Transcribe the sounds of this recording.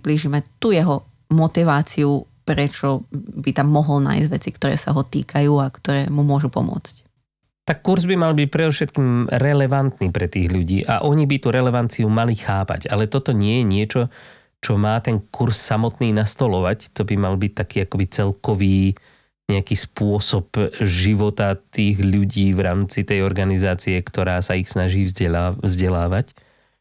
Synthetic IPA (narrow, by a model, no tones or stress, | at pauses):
bliːʒimɛt̪ujɛɦɔ | mɔt̪iʋaːt͡siu | pɾɛt͡ʃɔbit̪amːɔɦɔlna̰ːjzɟʋɛt͡sikt̪ɔɾɛ̰ːsa̰ɦɔt̪ḭːkʰajuːakt̪ɔɾɛːmumʊɔʒupɔ̰mʊɔ̰t͡sc | t̪akːuɾzbimalbic̚pɾɛd̪ɔfʃɛt̪kiːmɾɛlɛʋant̪niːpɾɛt̪iːɣʎuɟiːʔa̰ʔɔɲibit̪uɾɛlɛʋant͡siumalixaːpa̰ɟalɛt̪ɔt̪ɔɲɪɛjɛɲɪɛt͡ʃɔ | t͡ʃɔmaːt̪ɛŋkuɾsːamɔt̪niːnast̪ɔlɔʋact̪ɔbimalbic̚t̪akiːakɔbit͡sɛlkɔʋiː | ɲɛakiːspʊɔsɔpʒiʋɔt̪at̪iːɣʎuɟiːʋɾaːmt͡sit̪ɛjɔɾɡanizaːt͡siɛkt̪ɔɾaːsaixsnaʒiːvzɟɛvzɟɛlaːʋac